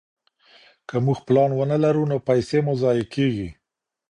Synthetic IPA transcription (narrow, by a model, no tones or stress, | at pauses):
kəmuxplɑnwənəlaɾunopajsemozɑjekʰeɡi